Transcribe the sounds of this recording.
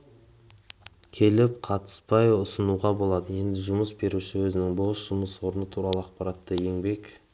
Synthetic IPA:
kʲʰe̞lɪp̚qʰɑt̪ə̥spɑjʊsənuʁɑbo̞lˠɑd̪əje̞nd̪ɪʒʊməsbe̞ɾuʃɪwɵzɪnɪŋboʃʒ̥ʊməswo̞ɾənət̪ʰuɾɑlˠəɑqpɑɾɑt̪ːəje̞ŋbe̞k

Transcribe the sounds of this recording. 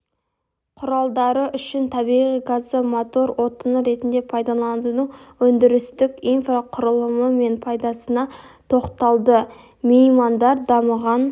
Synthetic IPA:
qʰʊɾɑlˠd̪ɑɾəʔʏʃɪnt̪ʰɑbiʁijɡazəmot̪o̞ɾwo̞t̪ənəɾe̞t̪ɪnd̪e̞pʰɑjd̪ɑlˠɑnd̪ənəŋwɵnd̪ɪɾɪst̪ɪkʲijnfraqʰʊɾəlˠəməme̞npʰɑjd̪ɑsənɑt̪ʰo̞qt̪ɑlˠd̪ə | miimand̪ɑɾd̪ɑməʁɑn

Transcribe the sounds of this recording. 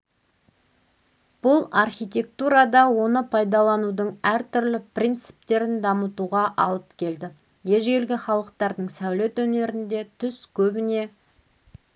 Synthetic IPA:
b̥ʊlˠɑrχʲijt̪ʲe̞k̚t̪uɾɑd̪ɑwo̞nəpʰɑjd̪ɑlˠɑnud̪əɴæɾt̪ʰʏɾlɪprʲijnt̪sɨ̥p̚t̪e̞ɾɪnd̪ɑmət̪uʁɑʔɑ̰lˠəpkʲʰe̞ld̪ɪ | je̞ʒɡʲelɡʲɪχɑlˠəq̚t̪ɑɾd̪əɴsæwle̞t̪wɵne̞ɾɪnd̪e̞t̪ʰʏskʲʰɵbɪne̞

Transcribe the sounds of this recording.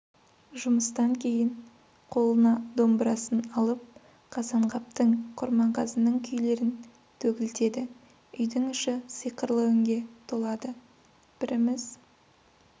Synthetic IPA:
ʒʊməst̪ɑŋkʲʰe̞jɪɴ | qʰo̞lˠənɑd̪o̞mbɾɑsənɑlˠəp̚ | qʰɑzɑɴqɑp̚t̪əɴqʰʊɾmɑɴqʰɑzənəɴkʲʰʏjle̞ɾɪn | t̪ʰɵkʲɪlt̪e̞d̪ɪ | ʏjd̪ɪŋʏʃɪsəjqəɾlˠəɪŋɡʲe̞t̪ʰolˠɑd̪ə | b̥ɪɾɪmɪz

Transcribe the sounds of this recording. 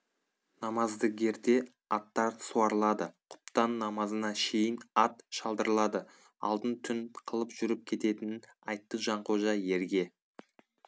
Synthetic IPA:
nɑmɑzd̪əɡʲe̞ɾd̪e̞ | ɑt̪ːɑɾsuɑɾlˠɑd̪əqʰʊ̥p̚t̪ɑnːɑmɑzənɑʃe̞jɪnɑt̪ʃɑlˠd̪əɾəlˠɑd̪ə | ɑ̰lˠd̪ənt̪ʰʏnqʰəlˠəpʒ̥ʏɾɪp̚kʲʰe̞t̪e̞t̪ɪnnɑjt̪ːəʒɑɴqʰo̞ʒɑje̞ɾɡʲe̞

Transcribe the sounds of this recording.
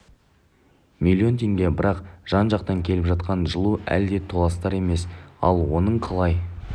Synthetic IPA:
milʲˠːio̞nt̪ʰʲe̞ŋɡʲe̞bɪɾɑqʒ̥ɑnʒɑqt̪ɑŋkʲʰe̞lɪpʒɑt̪qɑnʒəlˠuæ̰ld̪e̞t̪ʰolˠɑst̪ɑɾe̞me̞sɑ̰lˠwo̞nəɴqʰɑlˠɑj

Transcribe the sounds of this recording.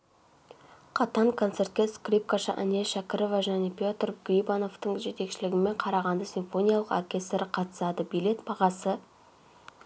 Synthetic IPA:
qʰɑt̪ɑŋkʰo̞nt̪se̞rt̪̚kʲeskrʲip̚kaʃə̰ʔa̰ne̞ʃakʲɪɾovaʒæne̞pʲjo̞t̪rɡrʲibano̞ft̪əɴʒe̞t̪e̞kʃɪlɪɡʲɪme̞ɴqʰɑɾɑʁɑnd̪əsʲinfo̞nʲijɑlˠəqo̞rkʲe̞st̪ɾɪqʰɑt̪ə̥sɑd̪əbijle̞t̪bɑʁɑsə

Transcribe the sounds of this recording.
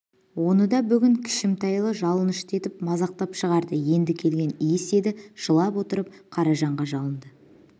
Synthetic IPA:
wo̞nəd̪ɑbʏɡʲɪŋkʲʰɪ̥ʃɪmt̪ɑjlˠəʒɑlˠənɪʃt̪e̞t̪ɪpmɑzɑq̚t̪ɑpʃəʁɑɾd̪əje̞nd̪ɪkʲʰe̞lɡʲe̞nijɪse̞d̪ɪʒ̥əlˠɑpwo̞t̪əɾəp̚qʰɑɾɑʒɑɴʁɑʒɑlˠənd̪ə

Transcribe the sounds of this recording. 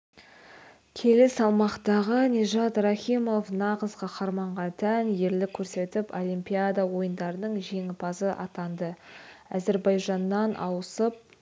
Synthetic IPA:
kʲʰe̞lɪsɑlˠmɑqt̪ɑʁəneʒɑt̪rɑχʲimo̞fnɑʁəzqʰɑqʰɑɾmɑɴʁɑnt̪ʰænje̞ɾlɪkʲʰɵɾse̞t̪ɪpo̞lʲimpʲijad̪ɑwo̞jənd̪ɑɾənəɴʒe̞ŋɪpʰɑzəʔɑ̰t̪ɑnd̪əæ̰ze̞ɾbɑjʒɑnːɑnʔɑ̰wəsəp̚

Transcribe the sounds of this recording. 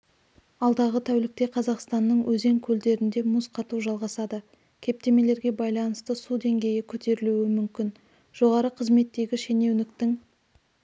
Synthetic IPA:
ɑlˠd̪ɑʁət̪ʰæwlɪk̚t̪e̞qʰɑzɑqst̪ɑnːəɴwɵze̞ŋkʲʰɵld̪e̞ɾɪnd̪e̞mʊsqʰɑt̪uʒɑlˠʁɑsɑd̪ə | kʲʰe̞p̚t̪e̞me̞le̞ɾɡʲe̞bɑjlˠɑnəst̪əsud̪e̞ŋɡʲe̞jɪkʲʰɵt̪ʰe̞ɾɪluwɪmʏmkʲɪn | ʒ̥o̞ʁɑɾəqʰəzme̞t̪ːe̞ɡʲɪʃe̞ne̞wnɪk̚t̪ɪŋ

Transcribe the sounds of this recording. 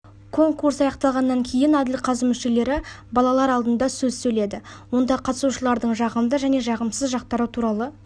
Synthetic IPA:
kʰo̞ŋkuɾsɑjɑqt̪ɑlˠʁɑnːɑŋkʲʰe̞jɪnæd̪ɪlqʰɑzəmʏʃe̞le̞ɾɪ | bɑlˠɑlˠɑɾɑlˠd̪ənd̪ɑsɵzsɵjle̞d̪ɪwo̞nd̪ɑqʰɑt̪ə̥suʃəlˠɑɾd̪əɴʒɑʁəmd̪əʒæne̞ʒɑʁəmsəzʒɑq̚t̪ɑɾut̪ʰuɾɑlˠə

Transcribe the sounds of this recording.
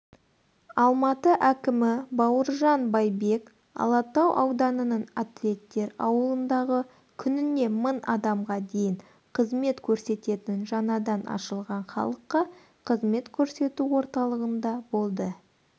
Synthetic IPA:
ɑlˠmɑt̪əʔækʲɪmɪbɑwəɾʒɑnbɑjbe̞k | ɑ̰lˠɑt̪ɑwʔɑwd̪ɑnənəɴat̪lʲe̞t̪ːe̞ɾɑ̰wəlˠənd̪ɑʁə | kʲʰʏnɪne̞mənɑd̪ɑmʁɑd̪e̞jɪŋ | qʰəzme̞t̪kʲʰɵɾse̞t̪e̞t̪ɪnʒɑnɑd̪ɑnʔɑ̰ʃəlˠʁɑɴχɑ̰lˠəqːɑ | qʰəzme̞t̪kʲʰɵɾse̞t̪uwo̞ɾt̪ɑlˠəʁənd̪ɑbo̞lˠd̪ə

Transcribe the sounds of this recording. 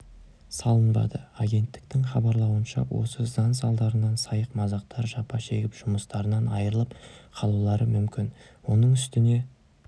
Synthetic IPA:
sɑlˠənbɑ̰d̪əaɡʲe̞nt̪ːɪ̥k̚t̪ɪŋχɑbɑɾlˠɑwənʃɑ̰wo̞̰səzɑns̬ɑlˠd̪ɑɾənɑnsɑjəqmɑzɑq̚t̪ʰɑɾʒɑpɑʃe̞ɡʲɪpʒ̥ʊməst̪ɑɾənɑnɑjəɾəlˠəpqʰɑlˠulˠɑɾəmʏmkʲɪn | wo̞nəɴʏst̪ɪne̞

